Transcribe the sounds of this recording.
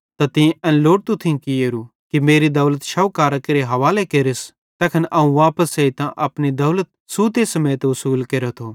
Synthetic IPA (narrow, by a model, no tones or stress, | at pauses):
t̪at̪ɪ̃ɛ̃nloːɽ̚t̪ut̪ʰĩkɪjeːɾu | kimeːɾid̪ɐːlət̪ʃɐwkaːɾakɐɾeɦɐʋaːlekeːɾɪs | t̪ɛːkʰɐnʔɐũʋaːpəseit̪ãʔɐpned̪ɐːlət̪̚suːt̪esɐmeːt̪ʊsuːlkeːɾot̪ʰoː